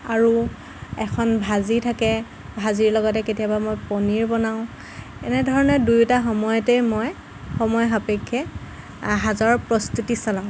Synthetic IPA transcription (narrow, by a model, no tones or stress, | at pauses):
aɹu | ɛkʰɔnbʱazitʰakɛ | bʱaziɹlɔɡɔt̬ɛketijabamojpɔniɹbɔnaʊ̃ | ɛnɛdʱɔɹɔnɔdujtaxɔmɔjɔtɛjmɔj | xɔmɔjxapekʰːɛ | ɦazɔɹpɹɔstutisalãʊ̃